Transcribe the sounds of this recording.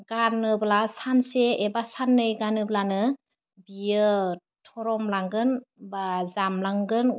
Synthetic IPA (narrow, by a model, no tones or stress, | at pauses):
ɡanɯblasanseebasanːɯjɡanɯblanɯ | bijɯ | tʰɔɾɔmlaŋɡɯnbazamlaŋɡɯn